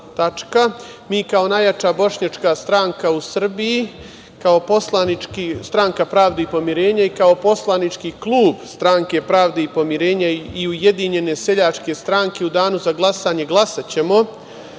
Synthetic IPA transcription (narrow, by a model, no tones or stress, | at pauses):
t̪at͡ʂka | miːkao̞najat͡ʃabo̞ʃɲat͡ʃkaːst̪ɾaːŋkausr̩biji | kao̞po̞slˠanit͡ʃkist̪ɾaŋkapɾaːʋd̪eipo̞miɾe̞ːɲaikao̞po̞slˠanit͡ʂkiklˠuːbst̪ɾaŋke̞pɾaːʋd̪eipo̞miɾe̞ːɲaiuje̞d̪iɲe̞ne̞se̞ʎat͡ʃke̞st̪ɾaːŋke̞ud̪aːnuzaɡlˠasaːɲe̞ɡlˠasat͡ɕe̞mo̞